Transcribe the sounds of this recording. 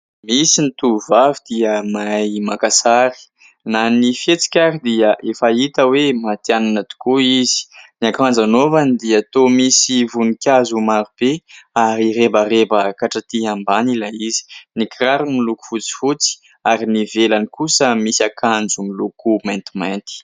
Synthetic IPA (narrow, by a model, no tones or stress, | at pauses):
misinit̪uvavid̪iəmajmakasaɾi̥ | nanifet͡si̥kʲaɾid̪iəʔefait̪əwemat̪iananat̪u̥kuizi̥niakand͡zanovanid̪iat̪omisivunikʲazumaɾub̥eaɾiɾebarebəkaʈ͡ʂat̪iɦambanilaizi̥nikraɾumiluku̥fut͡si̥fut͡si̥ | aɾinivelanikusəmisakʰand͡zumilukument̪imant̪i̥